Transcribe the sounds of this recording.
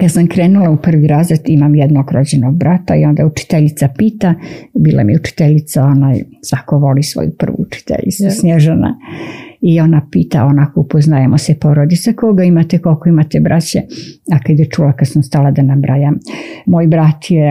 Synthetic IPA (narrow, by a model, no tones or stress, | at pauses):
kad̪samkɾeːnulˠaupr̩ʋiɾaːzɾed̪imamjed̪no̞ɡɾod͡ʑenoɡ̚bɾat̪aio̞nd̪aut͡ʃi̥t̪eʎit̪sapiːt̪abiːlʔa̰mijɛut͡ʃi̥t̪eʎit̪sao̞naːjsʋakoʋo̞lisʋo̰jupr̩ʋṵut͡ʃi̥t̪ḛʎḭt̪susnʲjeʒena̰ | ionapiːt̪a̰onakoupoznajamosepo̞ɾod̪it̪sakoɡaimat̪eko̞lkoimat̪ebɾʔat͡ɕeakad̪jet͡ʃulakad̪samst̪alad̪anabɾʔajammoːjbɾat̪je